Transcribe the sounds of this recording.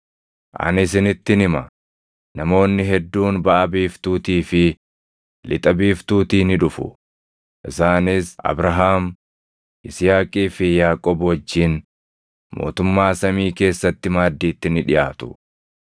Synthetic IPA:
ʔɐ̰nɪsɪnɪt̪ːɪnɪmɐ | nɐmo̞ːnːɪɦɛd̪ːuːnbɐʔɐbiːft̪uːt̪iːfɪ | lʔɪt̪ʼɐbiːft̪uːt̪iːnɪᶑʊfʊ̰ | ʔɪsaːnɪsʔɐ̰bɾɐɦaːm | ʔɪsjaːkʼiːfɪjaːkʼɔbwɐd͡ʒːiːn | mo̞̰ːt̪ʊmːaːsɐmiːke̞ːsːɐt̪ːɪmaːd̪ːiːt̪ːɪnɪᶑɪjaːt̪ʊ̥

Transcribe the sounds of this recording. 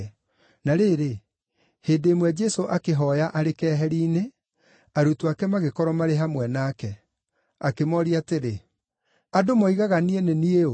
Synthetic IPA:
naɾeɾe | heːdeːmwɛd͡ʒɛsoʔakeɦɔjaʔaɾekɛːɦɛɾiːne | aɾutuakɛmaɣekɔɾɔmaɾeɦamwɛnaːkɛ | akemɔɾiateɾe | adomɔiɣaɣanienenieo

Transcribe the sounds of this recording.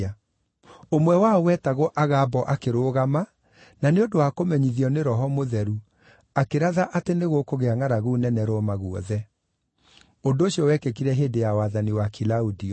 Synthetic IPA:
a | omwɛwaɔwɛtaɣɔʔaɣabɔʔakeɾoːɣama | naneondowakomɛɲiðiɔneɾɔɦɔmoðɛɾu | akeɾaðaʔateneɣokoɣeaŋaɾaɣunɛnɛɾoɔmaɣuɔ̰ðɛ | ondoːɕiɔwɛkekiɾɛɦeːdejawaðaniwakilaudiɔ

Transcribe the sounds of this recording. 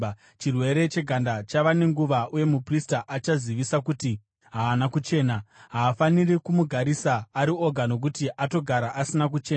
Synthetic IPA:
t͡ʃirwe̞ɾe̞t͡ʃe̞ɡʱandat͡ʃaʋane̞ŋɡuʋaʔuje̞mupristaʔat͡ʃaziʋisakuti | ɦaːnakut͡ʃe̞ːnaɦaːfanirikumuɡʱaɾisaːɾio̞ɡʱano̞k̬utiʔato̞ɡʱaɾaʔasinak̬ut͡ʃe̞ː

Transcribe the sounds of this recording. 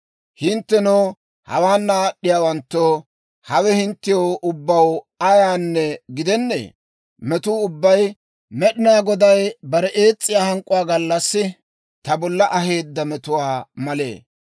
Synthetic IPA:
hɪnt̪ːɛnoː | hɐ̰waːnːaːɗːɪjaːwɐnt̪ːo | hɐwɛhɪnt̪ːɪjoːʔʊbːɐw | ɐjaːnːɛɡɪd̪ɛnːḛː | mɛt̪uːʊbːɐj | mɛɗɪnaːɡɔd̪ɐjbɐɾɛʔeːt͡sʼːɪjaːhɐŋkʼːʊwaːɡɐlːɐsːɪ | t̪ɐbɔlːɐʔɐɦe̞ːd̪ːɐmɛt̪ʊwaːmɐlḛː

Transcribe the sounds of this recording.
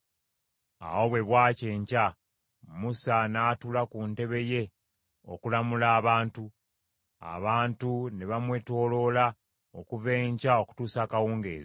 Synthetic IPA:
a̰wo̞βwe̞βwaːce̞ːɲca | musanaːtulakunte̞βe̞je̞ | o̞̰kulamulaːβaːntu | a̰βaːntuneβamwe̞to̞ːlo̞la | okuve̞ːɲcao̞ku̥tuːsaːkawuːŋɡḛːze

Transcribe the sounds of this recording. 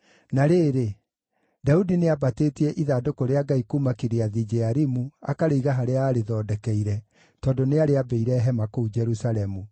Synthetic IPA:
naɾeːɾe | daudineabateːtiɛʔiðaːdokoɾeaɡaikumakeɾeaðid͡ʒɛaɾimuakaɾeiɣaɦaɾeaːɾeðɔːdɛkɛiɾɛ | tɔːndoneaɾeabɛiɾɛɦɛmakoud͡ʒɛɾusaɾɛmu

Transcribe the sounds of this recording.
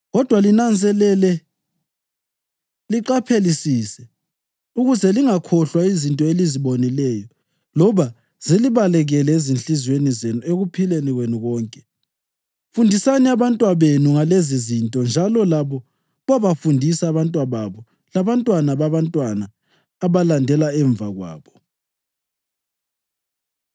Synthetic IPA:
ɣɔd̥ʱwalinand͡zʱɛlɛlɛ | liǃapʰelisiːsɛ | uɣuzɛliŋakʰɔɬwaizintʼɔeliziβonilɛjɔ | lɔβa | z̥iliβalɛɣɛlɛezinɬʼizwenizenueɣupʰileniɣwenuɣɔːŋkʼɛ | fundʱisaniaβantʼwaβenuŋalezizintʼɔnd͡ʒʱalɔlaβɔ | βaβafundʱisaːβantʼwaβaβɔ | laβantʼwanaβaβantʼwanaː | βalandʱɛlaɛɱbvaɣwa̰ːβɔ

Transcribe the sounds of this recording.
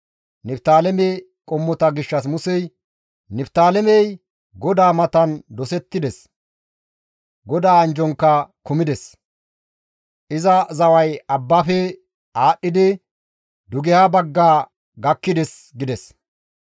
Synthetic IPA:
nɪpt̪aːlɛme | kʼɔmːɔt̪ɐɡɪʃːɐs̬mʊsɛj | nɪpt̪aːlɛmɛj | ɡɔd̪aːmɐt̪ɐnd̪ɔsɛt̪ːɪd̪ɛs | ɡɔd̪aːɐnd͡ʒɔŋkːɐkʊmɪd̪ɛs | ʔɪzɐzɐwɐjɐbːaːfɛ | aːɗːɪd̪ɪ | d̪ʊɡɛhabɐɡːaː | ɡɐkːɪd̪ɛs | ɡɪd̪ɛs

